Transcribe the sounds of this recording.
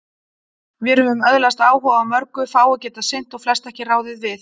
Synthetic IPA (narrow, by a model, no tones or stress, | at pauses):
vɪɛɾhœðʏmœðlast̪aːwhɔːvamœɾkʏfaːwʏcɛːt̪asɪn̥t̪ɔɣflɛst̪ɛhcɪraːwðɪðvɪθ